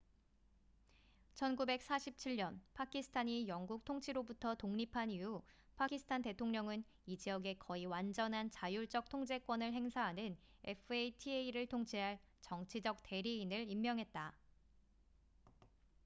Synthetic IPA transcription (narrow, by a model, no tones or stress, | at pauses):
t͡ɕʰʌnɡube̞k̚s͈aɕʰip̚t͡ɕʰiɭɲʌnpʰakʰisʰɯ̥tʰaɲijʌŋɡuk̚tʰoŋt͡ɕʰiɾobutʰʌtoŋɲipʰanijupʰakʰisʰɯ̥tʰante̞tʰoŋɲʌŋɯn | id͡ʑiʌɡe̞kʌiwand͡ʑʌnɦant͡ɕajuɭt͡ɕ͈ʌk̚tʰoŋd͡ʑe̞k͈wʌnɯɭɦe̞ŋsʰaɦanɯne̞pʰɯeitʰieiɾɯɭtʰoŋt͡ɕʰiɦaɭ | t͡ɕʌŋt͡ɕʰid͡ʑʌk̚t͈e̞ɾiːnɯɭimːjʌŋɦe̞t̚t͈a